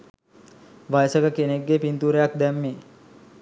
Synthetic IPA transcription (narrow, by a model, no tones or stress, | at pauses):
ʋajsəɡəkeneɡːepint̪uːɾejak̚d̪ɛmːeː